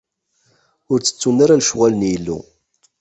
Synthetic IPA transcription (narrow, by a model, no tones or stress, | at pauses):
ʊɾt͡sːə̥t͡sːunaɾalʃʁalənjəlːṵ